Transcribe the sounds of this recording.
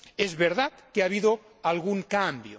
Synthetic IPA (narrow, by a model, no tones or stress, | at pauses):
ezβeɾðat̪keaβiðo | alɣuŋkambjo